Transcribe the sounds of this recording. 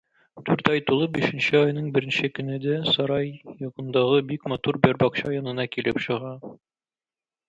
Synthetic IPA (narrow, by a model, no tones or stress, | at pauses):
t̪ʉɾt̪ɑjt̪ulˠɤbiʃɘ̆nɕɘɒjnɤɴbɘ̆ɾɘ̆nɕɘkɵ̆nɘ̆d̪æsɒɾɑjjɒqɤ̆nd̪ɑʁɤbikmɒt̪uɾbæɾbɒqɕɑjɒnɤ̆nɑkilɘpɕɤ̆ʁɑ